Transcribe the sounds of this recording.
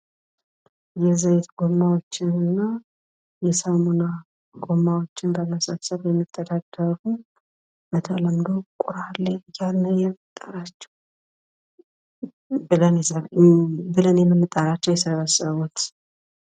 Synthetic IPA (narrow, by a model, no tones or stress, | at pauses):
jɛzajt̪ɡomːawot͡ʃːɪnɨnːa | jɛsamuna | ɡ̥omːawot͡ʃːɪnbaləsəβsəβjɛmːit̪ʼːəd̪aɡəɾu | bət̪ʰələmd̪owkʼuɾalːəjalːəjɛɨt̪ʼːaɾat͡ʃːɛ̥w | bɨlənjɛsə | bɨlənjɛməmːɨt̪ʼaɾat͡ʃːɛwjɛsəβəsːəβut̪